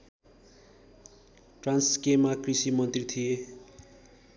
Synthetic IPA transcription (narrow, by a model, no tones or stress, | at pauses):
ʈranskemakrisimʌnt̪rit̪ʰije